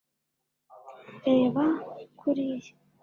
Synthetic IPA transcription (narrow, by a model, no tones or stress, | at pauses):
ɾeːβakʰuɾije